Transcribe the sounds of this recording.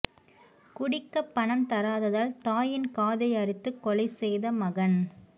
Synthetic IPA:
kʊɽɪkːɐpːɐɳɐmt̪ɐɾaːðɐðaːlt̪aːjɪnkaːðɐɪjɐɾɪt̪ːɯkːɔlɐɪsɛjðɐmɐɣɐn

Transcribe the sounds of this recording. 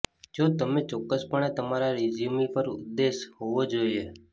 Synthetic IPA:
d͡ʒot̪əmet͡ʃɔkːəspəɳet̪əmaɾaɾid͡ʒimipəɾʊ̰d̪ːeʃɦoʋod͡ʒoie

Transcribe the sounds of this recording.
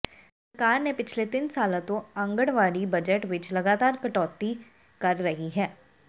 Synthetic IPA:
səɾkaːɾnẽpɪt͡ʃʰlet̪ɪnsaːl̃t̪õɐ̃ŋɡəɽʋaːɽibɐd͡ʒəʈʋɪt͡ʃlɐɡaːt̪aːɾkɐʈɔːt̪i | kɐɾːɐɦiɦɛː

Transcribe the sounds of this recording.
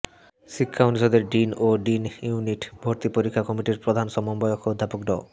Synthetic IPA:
ʃikʰːaoniʃod̪eɾɖinoɖinjuniʈbʱoɾt̪ipoɾikʰːakɔmiʈiɾpɾod̪ʱanʃɔmombɔjokʰod̪ʱːapokɖɔ̰

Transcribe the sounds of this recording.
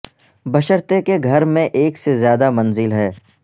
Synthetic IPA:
bɐʃəɾt̪ekeɡʱɐɾmẽʔeːksezjaːd̪amɐ̃nzɪlɦɛː

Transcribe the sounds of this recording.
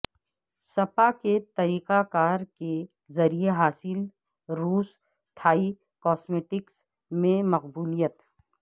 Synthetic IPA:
sɐpaket̪ɐɾiːqakaːɾke | zɐɾijeɦaːsɪl | ɾuːs | t̪ʰaːi | kɔːsmeːʈɪks | mẽmɐqbuːlijət̪

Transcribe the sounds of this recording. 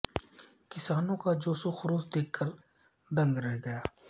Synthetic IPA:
kɪsaːnõkad͡ʒoːsuxʊɾuːsd̪eːkʰːəɾ | d̪ə̃ŋɡɾɛɦɡɐjaː

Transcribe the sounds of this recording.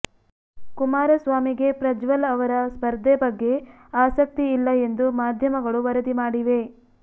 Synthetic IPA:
kumaːɾɐsʋaːmiɡe̞pɾɐd͡ʒʋɐlɐʋɐɾɐspɐɾd̪ʱebɐɡːe̞ | aːsɐk̚t̪iːlːɐe̞nd̪umaːd̪ʱjɐmɐɡɐɭuʋɐɾɐd̪imaːɽiʋe̞

